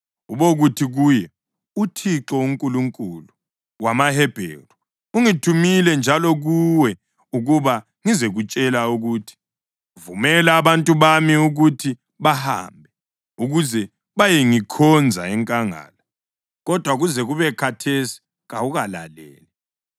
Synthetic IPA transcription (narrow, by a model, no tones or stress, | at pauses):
uβoɣutʰiɣujɛ | utʰiǁɔuŋkʼuluŋkʼulu | wamahɛb̥ʱḛru | uŋitʰumilɛnd͡ʒʱalɔɣuwɛ | uɣuβa | ŋizeɣut͡ʃʼɛlauɣuːtʰi̥ | vumɛlaːβantʼuβamiuɣutʰi | βaha̰ːmbʱɛ | uɣuzɛ | βajeŋikʰɔnd͡zʱa̰ɛŋkʼaŋa̰ːla | ɣɔd̥ʱwaɣuzɛɣuβɛkʰatʰesi̥ | ɣauɣala̰lɛ̰ːlɛ